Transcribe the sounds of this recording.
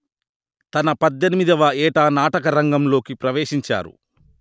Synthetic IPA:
t̪ɐnɐpɐd̪ːenimid̪ɐʋɐɛːʈaːnaːʈɐkɐɾɐŋɡɐmlo̞ːkipɾɐʋeːʃiɲt͡ʃa̰ːɾṵ

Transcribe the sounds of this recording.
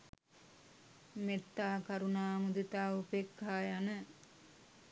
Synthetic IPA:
met̪ːaːkaɾunaːmud̪it̪aːupekːaːjanə

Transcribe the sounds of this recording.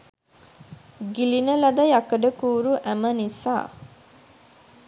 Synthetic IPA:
ɡilinəlɐd̪ɐjɐkəɖəkuːɾuʔæmənisa̰ː

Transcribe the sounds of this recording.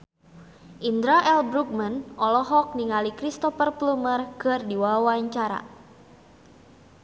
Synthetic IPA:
ʔind̪ɾaʔɛlbɾuk̚manʔɔlɔɦɔk̚niŋalikɾist̪ɔfərplumərkɨrdiwawaɲt͡ʃaɾa̰

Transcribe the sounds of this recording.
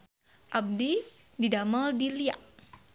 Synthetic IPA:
ʔab̚di | didaməldilia̰ʔ

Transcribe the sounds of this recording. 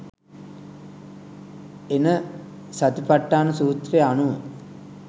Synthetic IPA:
enə | sat̪ipaʈːaːnusuːt̪reanuʋə

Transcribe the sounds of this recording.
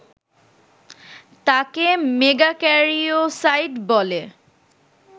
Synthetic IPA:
t̪akemeɡakɛɹiosajtbɔle

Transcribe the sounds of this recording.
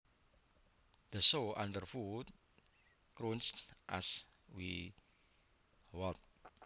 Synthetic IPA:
d̪̥əsoʔa̰ndərfut̪̚ | kɾunstʔa̰swi | wɔlt̪̚

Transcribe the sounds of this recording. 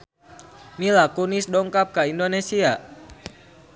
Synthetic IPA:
milakunisdɔŋkap̚kaindonesia

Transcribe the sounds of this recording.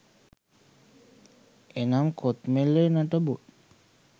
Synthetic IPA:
enamkʰot̪melenaʈəbut̪

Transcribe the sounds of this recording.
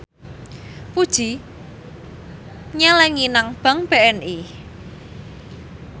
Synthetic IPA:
pud̥ʒ̥i̤ | ɲɛlɛŋinaŋb̥a̤ŋb̥e̤ɛnʔi

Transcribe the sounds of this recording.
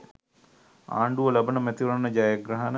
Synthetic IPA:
a̰ːɳɖuʋəlɐbənəmɛt̪iʋɾanːəd͡ʒaːjəɡɾaɦan

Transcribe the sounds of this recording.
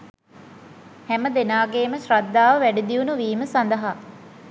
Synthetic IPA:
hæməd̪enaːɡeːməɕrad̪ːaːʋəʋæɖid̪iunuʋiːməsand̪əɦa

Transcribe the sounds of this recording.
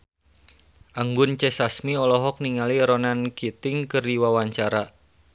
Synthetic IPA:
ʔaŋɡʊnt͡ʃɛsasmiɔlɔɦɔk̚niŋaliɾɔnankit̪ɪŋkɨriwawaɲt͡ʃaɾa

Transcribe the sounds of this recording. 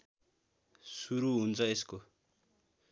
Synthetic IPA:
suɾuɦunt͡sʰʌesko

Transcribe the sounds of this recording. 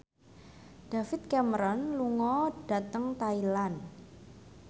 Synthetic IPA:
ɖ̥afɪt̪̚kɛməɾɔnluŋɔd̥a̤t̪əŋt̪ailan

